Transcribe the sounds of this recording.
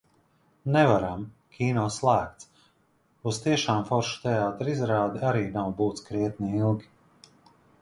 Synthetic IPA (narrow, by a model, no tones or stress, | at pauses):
nɛvaɾam | kʲʰiːnɔːslˠæːkt̪s | uz̥t̪iɛʃaːmfɔɾʃu̥t̪ɛaːt̪ɾizɾaːd̪iaɾiːnawbuːt̪skɾiɛt̪niilˠɡʲi